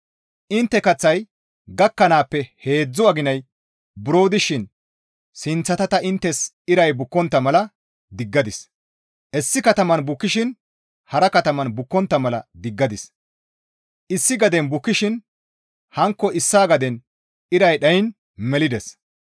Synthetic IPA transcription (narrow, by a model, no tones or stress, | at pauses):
ʔɪnt̪ːɛkɐt͡sːɐj | ɡɐkːɐnaːpːɛhe̞ːd͡zːʊɐɡɪnɐj | bʊɾo̞ːd̪ɪʃɪn | sɪnt͡sːɐt̪ɐt̪ɐɪnt̪ːɛs | ɪɾɐjbʊkːɔnt̪ːɐmɐlɐ | d̪ɪɡːɐd̪ɪs | ʔɛsːɪkɐt̪ɐmɐnbʊkːɪʃɪn | hɐɾɐkɐt̪ɐmɐnbʊkːɔnt̪ːɐmɐlɐ̰d̪ɪɡːɐd̪ɪs | ʔɪsːɪɡɐd̪ɛnbʊkːɪʃɪn | hɐŋkːɔʔɪsːaːɡɐd̪ɛn | ɪɾɐjɗɐjɪn | mɛlɪd̪ɛs